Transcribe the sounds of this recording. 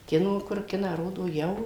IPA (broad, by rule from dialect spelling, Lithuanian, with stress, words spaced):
ˈkʲɪnoː kʊr ˈkʲɪnɑː ˈroːdoː jɛʊ